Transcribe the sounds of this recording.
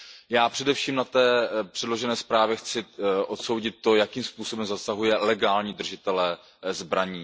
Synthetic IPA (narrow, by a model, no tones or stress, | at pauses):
jaːpr̥ɛdɛfʃiːmnat̪ɛːpr̝̥ɛdlo̞ʒɛnɛːspɾaːvjɛxt͡sɪʔo̞t̪so̞wɟɪt̪̚ːo̞jakiːmspuːso̞bɛmzasaɦujɛlɛɡaːlɲiːd̪r̩ʒɪt̪ɛlɛː | zbɾaɲiː